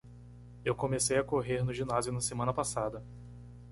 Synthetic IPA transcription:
ewkõmesejɐkoɦeɾnʊʒĩnazjʊnɐsemɐ̃nɐpasad̪ɐ

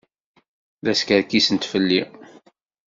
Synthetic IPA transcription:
ðæskəɾkːisənt̪fəlːi

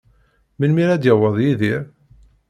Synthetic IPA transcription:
məlmiɾæd̪jəwəðˤjiðiɾ

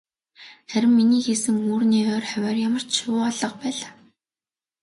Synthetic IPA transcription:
χæɾʲɪ̆mːiniːxesɘ̆ŋuːrniːœːrχœwʲæːrjamə̆r̥t͡ɕʃʊːɔɮɞ̆q̚pæːɮaː

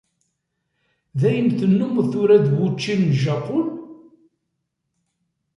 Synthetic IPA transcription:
ðæjəmθənːumθʊɾæðwut͡ʃːinʒɑqʊl

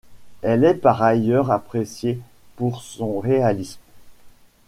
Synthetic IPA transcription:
ɛlɛpaʁajœʁapχesje | puʁsɔ̃ʁealism

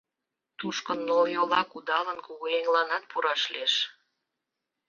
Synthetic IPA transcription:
t̪uʃkənːoljolɑkud̪ɑlənkuɣoeŋlɑnɑt̪̚puɾɑʃleʃ

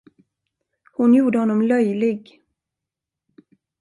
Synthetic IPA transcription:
hʊnjuːɖəhɔnːɔmlœjlɪɡ

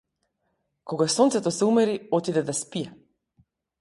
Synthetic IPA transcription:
koɡasɔnt̪sɛt̪ɔsɛumɛɾiɔt̪id̪ɛd̪aspijɛ

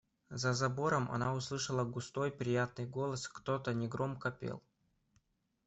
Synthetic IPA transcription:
zɐzɐboɾəmɐ̰naʊslˠɨʂəlˠəɡʊst̪o̞jpɾʲɪjat̪̚nɨjɡo̞lˠəskt̪ot̪ənʲɪɡɾʔomkəpʲḛlˠ

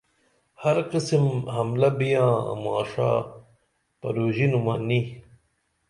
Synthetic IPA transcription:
hɐɾqisimɦɐmlɐbijɑ̰̃ːmɑ̰ːʂa̰ː | pɐ̰ɾoːʑinumani

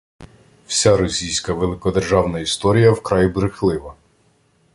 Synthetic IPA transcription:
wsʲaɾɔsʲijsʲkɐʋelˠɪkɔd̪erʒɑwnɐist̪ɔɾʲijɐwkɾɑjibɾɪxlˠɪʋɐ

